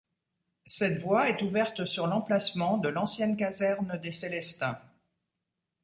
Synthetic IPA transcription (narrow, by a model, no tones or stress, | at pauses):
sɛt̪vwaɛt̪uvɛʁt̪syʁlɑ̃plasmɑ̃d̪əlɑ̃sjɛnkazɛʁnd̪eselɛst̪ɛ̰̃